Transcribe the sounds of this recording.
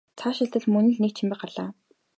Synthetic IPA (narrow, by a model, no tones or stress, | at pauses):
t͡sʰaʃɪ̆ɬt̪ə̆ɮmɵnɘ̆ɮnekt͡ɕʰĭmpʲɪ̆χ̚ɢaɮaː